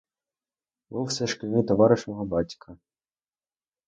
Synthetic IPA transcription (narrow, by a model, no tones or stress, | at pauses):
buwsɛʃkɪnʲɪt̪ɔʋɑɾɪʃnɔɦɔbɑtʲkʰɐ